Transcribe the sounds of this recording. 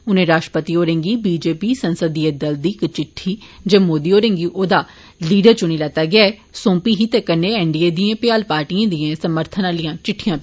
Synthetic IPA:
ʊnẽːɾaːʃʈə̥pət̪iːoːɾẽːŋɡiːbiːd͡ʒeːpiːsənsəd̪iəd̪əld̪iːkt͡ʃɪʈʰːiːd͡ʒəːmoːd̪iːoːɾẽːŋɡiːʔoːd̪aː | liːɖəɾt͡ʃʊɽ̃iːlɛːt̪ːaːɡɪaːɛː | sõːmpiːɦiːt̪eːkənːeːɛːɳɖieːd̪iãːpɪjaːlpaːɾʈijãːd̪iːãːsəməɾt̪ʰənãːlijãːt͡ʃɪʈʰːijãːp

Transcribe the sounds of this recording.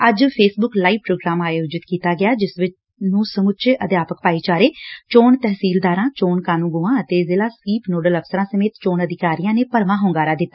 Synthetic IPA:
əd͡ʒpʰeːsbʊklaːiːʋpɾoːɡɾaːmaːjoːd͡ʒɪt̪kiːt̪aːɡɪjaːd͡ʒɪsʋɪt͡ʃ | nũːsəmʊtːt͡ʃeːʔəd̪jaːpək̚paːiːt͡ʃaːɾeːt͡ʃoːɳt̪ɛɦsiːld̪aːɾãːt͡ʃoːɳkaːnũːɡuːãːət̪eːzɪlaːskiːpnoːɖələfsəɾãːsəmeːt̪t͡ʃoːnəd̪ɪkaːɾijãːneːpəɾʋãːɦʊːŋɡaːɾaːd̪ɪt̪ːaː

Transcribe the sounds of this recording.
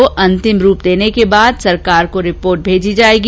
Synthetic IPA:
oʔɐ̃nt̪ɪmɾuːpd̪eːnekebaːd̪sɐɾkaːɾkoɾɪpoːɾʈ̚bʱeːd͡ʒid͡ʒaːeːɡ

